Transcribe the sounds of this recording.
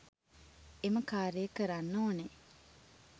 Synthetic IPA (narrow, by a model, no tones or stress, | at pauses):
eməkaːɾijekəɾanːoːne